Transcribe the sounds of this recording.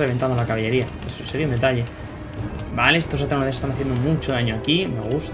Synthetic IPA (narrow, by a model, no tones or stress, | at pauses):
eβent̪and̪olakaβeʎe̞ɾia | esuseɾiaund̪e̞t̪aʎe̞ | baleest̪o̞s̬at̪ɾanðesest̪anaθje̞nd̪omũt͡ʃoaɲoakime̞̰ɣ̞ust̪